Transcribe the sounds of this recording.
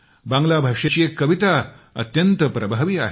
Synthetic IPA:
bãŋɡlabʱaʂet͡ɕiekːəʋit̪a | ə̰t̪jənt̪əpɾəbʱaʋiːaɦe

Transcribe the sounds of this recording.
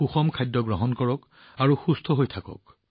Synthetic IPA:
uxɔmkʰajdːɔɡɹɔɦɔnkɔɹɔk | aɹuxustʰɔɦojtʰakɔ̰k̚

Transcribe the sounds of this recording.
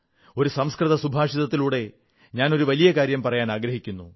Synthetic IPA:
o̞ɾusɐmskrɨðɐsubʱaːʂiðɐt̪ːiluːɽe̞ | ɲaːno̞ɾuʋɐlijɐkaːɾjɐmpɐrɐjaːnaːɡɾɐɦikʲːunːu

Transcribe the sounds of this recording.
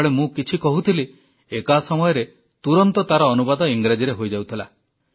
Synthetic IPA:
ɭemũkit͡ʃʰikɔɦut̪ʰili | ekasɔmɔjɔɾe | t̪uɾɔnt̪ɔt̪aɾɔːnubad̪ɔiŋɡɾed͡ʒiɾeɦojd͡ʒawt̪ʰila̰

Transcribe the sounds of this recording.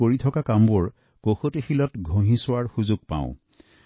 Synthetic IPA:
oɹitʰɔkakambʊɹ | koxotixilɔtɡʱõɦĩsʊaɹxuzʊɡ̚pã̰ʊ̃

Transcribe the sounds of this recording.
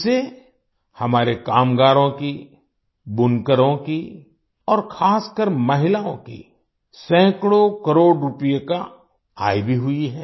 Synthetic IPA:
se | hɐmaːɾekaːmɡaːɾõki | bʊnkəɾõki | ɔːɾxʰaːskəɾmɐɦɪlaõkḭ | sɛ̃ːkɽokəɾoːɽɾʊpijeka | aːibʱiɦʊiɦɛː

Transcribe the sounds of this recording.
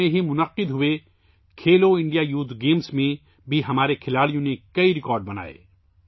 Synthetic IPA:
ẽɦimʊnəqːɪd̪ɦʊʋe | kʰeːloɪ̃ɳɖijajuːt̪ɡeːmsmẽ | bʱiɦɐmaːɾekʰɪlaːɭijõnekɐiɾɪkɔːɾɖ̚bɐna̰ːḛ

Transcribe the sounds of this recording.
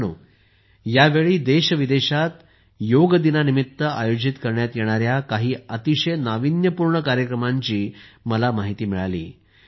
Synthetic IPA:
nu | jaʋeɭiːd̪eɕəʋid̪eɕat̪ | joɡəd̪inanimit̪ːəajod͡ʑit̪kəɾɳjat̪jeɽ̃aɾjakaɦiːət̪iɕəjnaʋinjəpuɾɳəkaɾjəkɾəmaɲt͡ɕiːməlamaɦit̪iːmiɭalḭː

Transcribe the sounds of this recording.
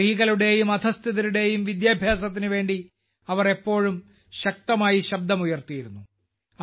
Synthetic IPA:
iːɣɐluɽe̞ːjumɐd̪ʰʱɐst̪ʰiðiɾuɽe̞ːjumʋid̪jaːbʱjaːs̬ɐt̪̬ːinɨʋe̞ːɳɖi | ɐʋɐre̞pːo̞ːɻum | ɕɐk̚t̪ɐmaːjiɕɐb̚d̪ɐmujɐrt̪ijiɾunːu | ɐ

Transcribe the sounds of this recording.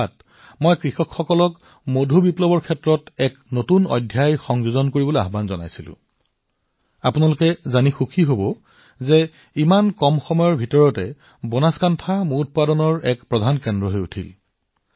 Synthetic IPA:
at̚ | mojkɹixɔkxɔkɔlɔk | modʱubiplɔbɔɹkʰɛtɹɔtɛknotunɔ̰jdʱjajxɔŋzuzɔnkoɹiboloea̰ɦbanzɔna̰jsilʊ̰̃ | apunalʊkɛzanixukʰiɦobɔ | zɛ | imankɔmxɔmɔjɔɹbʱitɔɹɔtɛ | bɔnaskantʰamuut̚padɔnɔɹɛkpɹɔdʱankɛndɹɔɦojutʰḭl

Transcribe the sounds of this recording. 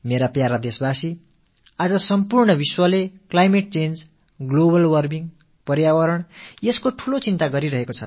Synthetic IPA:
meɾapjaɾad̪esbasi | ad͡zʌsʌmpurɳʌbiswʌleklajmeʈ̚t͡send͡z | ɡlobʌlwʌrbiŋ | pʌrjawʌɾʌɳjeskoʈʰulot͡sint̪aɡʌɾiɾʌɦekot͡sʰʌ̰

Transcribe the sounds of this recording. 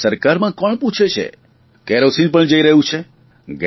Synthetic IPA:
səɾkaɾmãkɔɳput͡ʃʰet͡ʃʰḛ | keɾosinpəɳd͡ʒəiɾəɦũt͡ʃʰe | ɡ

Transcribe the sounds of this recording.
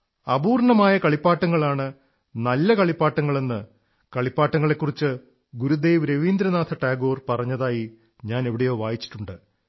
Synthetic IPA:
ɐbuːrɳɐmaːjɐkɐɭipːaːʈːɐŋːɐɭaːɳɨ | nɐlːɐkɐɭipːaːʈːɐŋːɐɭe̞nːɨ | kɐɭipːaːʈːɐŋːɐɭekːurit͡ɕːɨ | ɡuɾud̪e̞ːʋɾe̞ʋiːnd̪ɾɐnaːt̪ʰɐʈaːɡo̞ːrpɐrɐɲːɐðaːji | ɲaːne̞ʋiɽejo̞ːʋaːjit͡ɕːi̥ʈːuɳɖɨ

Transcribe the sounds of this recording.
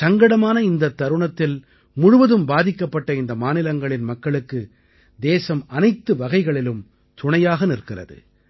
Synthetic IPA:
sɐŋɡɐɽɐmaːnɐɪnd̪ɐt̪ːɐɾɯɳɐt̪ːɪl | mʊɻʊʋɐðɯmbaːðɪkːɐpːɐʈːɐɪnd̪ɐmaːnɪlɐŋɡɐɭɪnmɐkːɐɭɯkːɯ | d̪eːsɐmɐnɐɪt̪ːɯʋɐɣɐɪɣɐɭɪlɯm | t̪ʊɳɐjaːɣɐnɪrkɪrɐ̰ðɯ̰

